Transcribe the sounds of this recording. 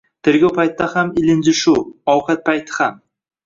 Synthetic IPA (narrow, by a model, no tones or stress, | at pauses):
t̪ʰɪɾɡʲawpʰajt̪ːahamɪlɪnd͡ʒɪʃuɒwqat̪̚pʰajt̪ʰɪ̥ham